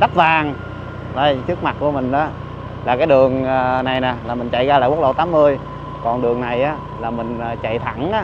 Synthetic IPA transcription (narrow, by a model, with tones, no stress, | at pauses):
ɗa˦˥t̚vaː˨˩ŋ | zə˧˩jt͡ɕɨ˦˥ək̚ma˨˩t̚ku˧˩əmï˨˩ŋ̟ʔaː˨˦ | laː˨˩kaː˨˦jɗɨ˨˩əŋː˨˩na˨˩jnaː˨˩laː˨˩mï˨˩ŋ̟t͡ɕa̰˧˨jɣaː˧laː˧˩w̚ɗə˨˩wt̪aː˨˦mːɨ˧əj | kɔ˨˩nɗɨ˨˩əŋna˨˩jʔaː˨˦ | laː˨˩mï˨˩ŋ̟ː˨˩t͡ɕa̰˧˨jt̪ʰa˧˩˦ŋʔaː˨˦